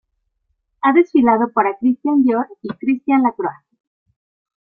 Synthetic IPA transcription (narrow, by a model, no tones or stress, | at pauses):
aðe̞sfilað̞o̞paɾakɾist̪jand̪joɾikɾist̪janlakɾoas